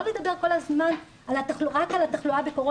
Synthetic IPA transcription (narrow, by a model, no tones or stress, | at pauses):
led̪abe̞ʁko̞lazman | alat̪aχluʁakalat̪aχluabeko̞ʁo